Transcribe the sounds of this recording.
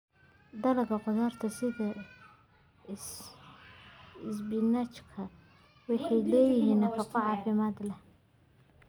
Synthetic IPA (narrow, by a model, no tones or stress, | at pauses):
d̪ɐlɐɡɐqɔðaːrt̪ʰɐsɪðɐ | ɪsbɪnat͡ʃkʰɐ | wɑħɑjlɛːjɪɦiːnɐfɑqɑʕɑːfɪmaːd̪lɛ